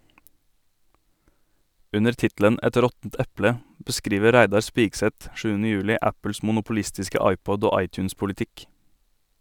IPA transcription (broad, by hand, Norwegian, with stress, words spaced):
ˈʉnəɾ ˈtɪtl̩ən ˈɛt ˈɾɔtn̩t ˈɛplə bəˈskɾiːʋə ˈɾæɪdɑɾ ˈspiːɡsɛt ˈʃʉːənə ˈjʉːlɪ ˈæpl̩s mʊnʊpʊˈlɪstɪskə ˈɑɪˌpɔd ˈoː ˈɑɪˌt͡ʃʉːns pʊlɪˈtɪk